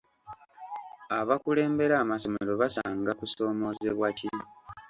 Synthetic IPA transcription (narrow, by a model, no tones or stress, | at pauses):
aβakule̞ːmbe̞ɾaːmaso̞me̞ɾo̞βasaːŋɡakuso̞ːmo̞ːze̞βwaci